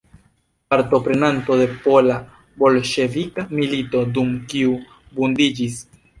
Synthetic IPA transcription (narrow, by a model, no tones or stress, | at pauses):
paɾto̞pɾe̞nantode̞pola | bo̞lʃe̞vikamilito̞dumkiu | bundid͡ʒis